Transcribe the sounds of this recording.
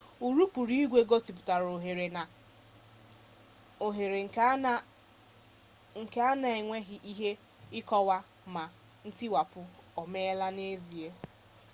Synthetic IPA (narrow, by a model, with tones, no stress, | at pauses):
u˨ɾu˦pu˨ɾi˦i˦ɡʷe˦ɡo˦si˨p̬ʊ˨ta˨ɾo˨ɦe˨ɾe˨na˨ | o˨ɦe˨ɾe˨ŋ˨ | ŋ̩˨ke˦a˦na˨e˨ŋʷe˦ɦɪ˦ʔi˦ɦe˦ | ɪ˦kɔ˦wa˦ | ma˨ | n̩˦tɪ˦wa˨pʊ˦ɔ˨me˦la˦ne˦zi˨e˦